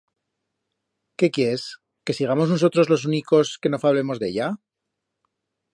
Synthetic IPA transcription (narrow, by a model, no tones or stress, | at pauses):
ke̞kje̞es | ke̞siɣ̞amo̞znoso̞t̪ɾo̞zlo̞s̬uniko̞ske̞no̞faβle̞mo̞zðe̞̰ʎa